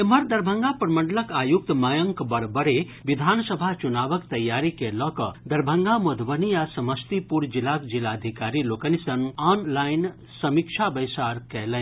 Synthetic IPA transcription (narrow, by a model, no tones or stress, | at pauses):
eməɾd̪ɐɾbʱəŋɡapɾməɳɖləkajuk̚t̪majəŋkbɐɽbəɾe | ʋid̪ʱaːnsəbʱat͡ʃunaːʋəkt̪ɐjːaɾikelɔkəd̪ɐɾbʱəŋɡamɐd̪ʱʋənijasɐməst̪ipuɾd͡ʒilakd͡ʒilad̪ʱikaːɾilokənisɐnɔnlajn | sɐmikʃʰabəjsaːɾkɛlə